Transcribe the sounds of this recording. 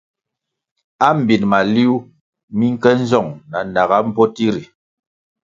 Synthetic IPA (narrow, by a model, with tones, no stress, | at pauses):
a˦m̩˨bi˨nma˨li˦u˦ | mi˦ŋ̩˦kɛ˦n̩˦zɔ˦˨ŋna˨na˨ɣa˦m̩˦pɔ˦ti˦ɾi˨